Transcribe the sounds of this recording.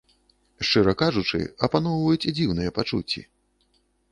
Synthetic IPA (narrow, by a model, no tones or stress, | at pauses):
ʂt͡ʂɨɾɐkaʐut͡ʂɨ̰ɐpanɔwvɐjut͡sʲid͡zʲiwnɨjɛpat͡ʂṵt͡sʲːḭ